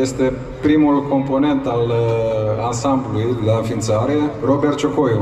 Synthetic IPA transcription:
je̞st̪e̞ | pɾimulko̞mpo̞ne̞nt̪al | ansamblulujlaɨnfint̪saɾero̞bert̪t͡ʃokojo

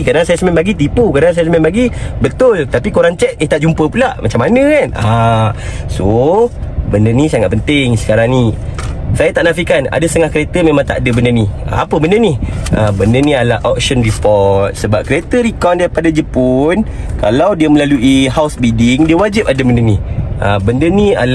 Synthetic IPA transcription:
kaɾdaŋsajasəmɛnbaɡit̪ipukadaŋsajasəmɛnbaɡibət̪ʊlt̪apikoɾaŋt͡ʃɛk̪̚et̪aʔd͡ʒumpəpulaʔmat͡ʃamːanə̃kana | so | bəndənisaŋat̪̚pənt̪ɪŋsə̥kaɾaŋni | sajat̪aʔnafikana̰dast̪əŋahkəɾet̪əmẽmãŋt̪a̰ʔdəbəndəniə̰a̰pəbəndəniʔəbəndənĩalaʔɔk̚sənripɔt̪̚səbap̚kəɾet̪əɾikɔndaɾipadad͡ʒəpʊn | ka̰lawdiəməlaluʔiɦawsbidɪŋdiəwad͡ʒɪp̚adəbəndəniəbəndənia̰l

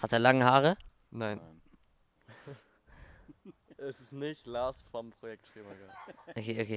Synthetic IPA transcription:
hateːɐlaŋəɦaːʁə | naɪn | ʔɛsɪsnɪçtlaːsfɔmpʁ̥ojɛk̚tʃeːmaɡaʔokʰeːʔokʰeː

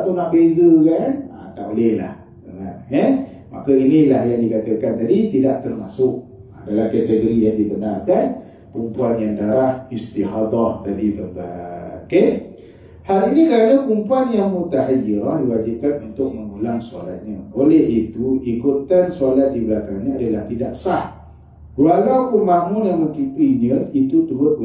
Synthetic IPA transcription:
aʔt̪unaʔbezəkana̰t̪a̰ʔolɛhla̰h | əŋanɛ | ma̰kəinĩlahjaŋdikat̪əkant̪adit̪idaʔt̪ərmasʊʔ̚a̰dalamkɛt̪əɡoɾijaŋdibənarkan | kumpuanjaŋdaɾahist̪iɦat̪ɔht̪adit̪ərbaoke | haliɲikəɾanakumpuanjaŋmut̪aɦajiɾɔhdiwad͡ʒikanunt̪ʊk̚məŋɡulaŋsalat̪̚ɲãʔolɛɦit̪uikut̪ansalat̪̚dibəlakaŋɲaadalaht̪idaʔsah | walawpəmbamʊnaməkipɾinəit̪ut̪uɦʊt̪̚

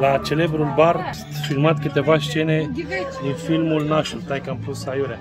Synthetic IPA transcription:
lat͡ʃe̞le̞bɾulbard̪ | filmat̪kɨt̪e̞vaʃt͡ʃe̞ned̪infilmulnaʃult̪ajkamplusajuɾa

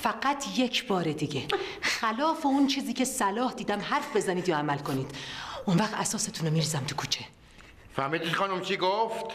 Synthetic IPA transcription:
fæɡæt̪ʰje̞cʰbɒːɾed̪iɡexælɒːfeunt͡ʃʰiːziːcʰe̞sælɒːhd̪iːd̪æmhæɾfbe̞zæniːd̪jɒːæmælko̞niːd̪̥ʔunvæxt̪æsɒːse̞t̪ʰunomiːɾiːzæmt̪ʰu̥kʰuːt͡ʃʰe̞ | fæɾmiːd̪iχɒnumt͡ʃʰiɡoft̪

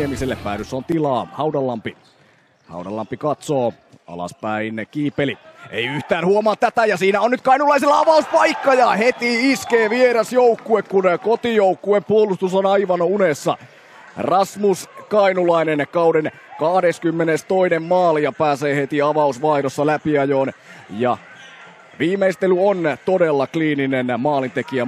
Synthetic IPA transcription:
emiselːeppæ̰ːɾysːont̪ilɑːhɑwdɑlːɑmpi | hɑ̰udɑ̰lːɑ̰mpikɑt̪soː | ɑ̰lɑ̰spæinkiːpːeliʔḛiyht̪æːnhuomɑːt̪t̪æt̪æjɑsiːnæonyt̪̚kɑinulɑiselːɑɑʋɑuspɑikːɑjɑhet̪iiskeːʋieɾɑsjoukːuekkunkot̪ijoukːueppuolust̪usonɑiʋɑnunesːɑ̰ | rɑsmuskɑinulɑinenkɑuden | kɑhdeskymːenest̪oinemmɑːlijɑpæːseːhet̪iɑʋɑusʋɑiɾosːɑlæpiɑjoːnjɑ̰ | ʋiːmeist̪elyont̪odelːɑkliːninenmɑːlint̪ekiæ

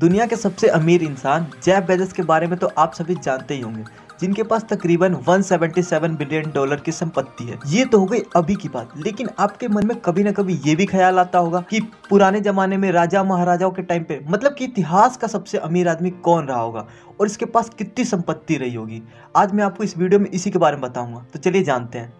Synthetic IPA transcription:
d̪ʊnijakesɐbseʔɐmiːɾɪ̃nsaːnd͡ʒɛːbɛːd͡ʒəskebaːɾemẽt̪oʔaːpsɐbʱid͡ʒaːnt̪eɦiɦõ̰ːŋɡeː | d͡ʒɪnkepaːst̪ɐkɾiːbənʋɐnsɛːʋə̃ɳʈisɛːʋənbɪlijənɖɔːləɾkisɐ̃mpət̪ːiɦɛ̰ːjet̪oɦoːɡɐiɐbʱikiba̰ːt̪leːkɪnaːpkemɐnmẽkɐbʱinɐkɐbʱijebʱixʰɐjaːlaːt̪aɦoːɡaːki | pʊɾaːned͡ʒɐmaːnemẽɾaːd͡ʒaomɐɦaːɾaːd͡ʒaːõkeʈaːɪmpemɐt̪ləb̚kiɪt̪ɪɦaːskasɐbseʔɐmiːɾaːd̪mikɔːnɾɐɦaɦo̰ːɡa̰ː | ɔːɾɪskepaːskɪt̪nisɐ̃mpət̪ːiɾɐɦiɦoːɡiː | aːd͡ʒmɛ̃aːp̚koɪsʋiːɖijomẽʔɪsikebaːɾemẽbɐt̪aːũːŋɡaːt̪ot͡ʃɐlied͡ʒaːnt̪eɦɛ̃ː

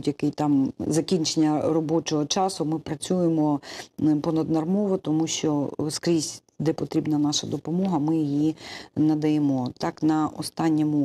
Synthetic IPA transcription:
dʲjɐkɪjt̪ɑmzɐkʲinʲt͡ʃenʲːɐrɔbɔt͡ʃɔɦɔt͡ʃɑsʊmɪpɾɐt͡sʲujemɔ | pɔnɐd̪nɐrmɔʋɔt̪ɔmuʃt͡ʃɔskɾʲisʲ | d̪ɛpɔt̪ɾʲibnɐnɑʃɐd̪ɔpɔmɔɦɐmɪjijinɐd̪ɐjemɔt̪ɑknɐʔɔst̪ɑnʲːɔmʊ

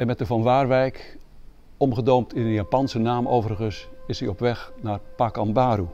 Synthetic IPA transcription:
ɛnmɛtəvɔnʋaːrʋɛjk | ɔmχədoːmtʰɪnənjapɑnsənaːmowvərɣəsɪsiɔpʋɛxnarpakɑmbaːɾu

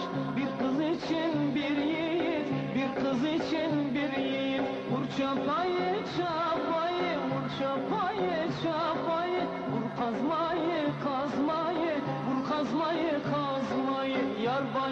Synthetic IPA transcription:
bek̚qʰəzet͡ʃenbeɾejjet̪bekqʰəzet͡ʃenbeɾjeet̪ | ʊɾt͡ʃɑpɑjəʃɑpɑjəwʊɾt͡ʃɑpɑjəʃɑpɑjə | bʊɾqʰɑzmɑjəqʰɑzmɑjə | bʊɾqʰɑzmɑjəqʰɑ | zmɑjəjɑɾbɑ

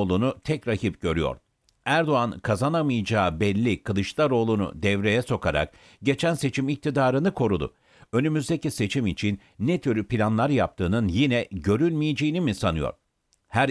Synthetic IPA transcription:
lˠunut̪ʰɛcɾaɦip̚ɟ̥ø̞ɾyjo̰ɾ̥ | æɾd̪o̞ankʰazanamɯjd͡ʒaːbɛlʲːikʰɯlˠɯʃlˠaɾo̞ːlˠunṵd̪ɛvɾe̞jɛso̞kʰaɾa̰k̚ | ɟe̞t͡ʃʰænse̞t͡ʃʰimic̚t̪ʰid̪aːɾɯnɯkʰo̞ɾud̪ʊ̰ | ø̞nymyzd̪e̞cise̞t͡ʃʰimit͡ʃʰinːet̪ʰyɾypʰilʲanlˠaɾjap̚t̪ʰɯːnɯnjinɛɟø̞ɾylʲmijid͡ʒejinimisanɯjo̰ɾ | hæɾ

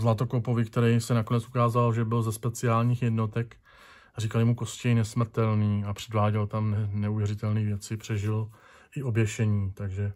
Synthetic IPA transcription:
zlat̪o̞kopo̞vɪkt̪ɛɾɛjsɛnako̞nɛt͡sʔukaːzaloʒɛbɪlzɛspɛt͡sɪaːlɲiːxjɛdno̞t̪ɛk | riːkaljmuko̞scɛjnɛsmr̩t̪ɛlniːapr̥ɛdvaːɟɛlt̪amɛnɛuvjɛɾɪt̪ɛlniːvjɛt͡sɪpr̥ɛʒɪl | ʔɪʔo̞bjɛʃɛɲiːt̪aɡʒɛ

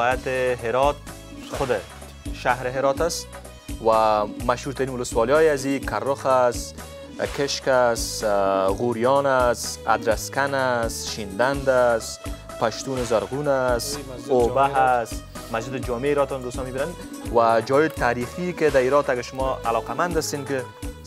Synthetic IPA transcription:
jat̪ɪɦɪɾɔt̪̚ | xʊd̪ɪ | ʃaɦɾɪɦɪɾɔt̪as | wamaʃhuɾt̪aɾinwʊlʊswɔlijɔjɪazikʰaɾːʊxas | kɪʃkas | ɣuɾjɔnasa̰d̪ɾaskanasʃind̪and̪as | paʃt̪unɪzaɾɣunas | obaɦasmazd͡ʒɪd̪ɪd͡ʒɔmeɾɔt̪ɔnd̪oːst̪ɔmibinanwad͡ʒɔjɪt̪aːɾixikɪd̪aiɾɔt̪aɡaʃʊmɔa̰lɔːqamand̪ast̪enkɪ

